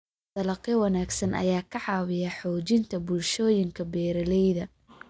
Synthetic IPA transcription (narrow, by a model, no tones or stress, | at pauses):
t̪ɐlɐqiwɑnaːɡsɐnʔɐ̰jaːkʰɐʕɑːwɪjɐħɔːt͡ʃɪnt̪ʰɐbʊlʃɔːjɪŋkʰɐbɛːɾɐlɛjðɐ